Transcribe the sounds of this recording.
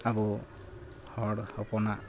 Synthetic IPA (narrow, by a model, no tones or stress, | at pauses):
abu | hɔɽhɔpɔna